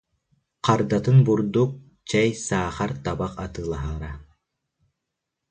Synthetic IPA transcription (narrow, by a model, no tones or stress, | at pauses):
qaɾd̪at̪ɯnbuɾd̪uk̚ | t͡ɕɛjsaːχaɾt̪abaqat̪ɯːlˠaɦaɾa